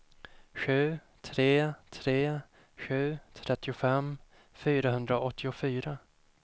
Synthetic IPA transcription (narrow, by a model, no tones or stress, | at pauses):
ɧʉ̟ː | t̪ʰɾeːt̪ʰɾeː | ɧʉ̟ːt̪ʰɾɛt̪ːɪʊfɛm | fyːɾaɦɵnd̪ɾaʔɔt̪ʰːɪʊfyːɾa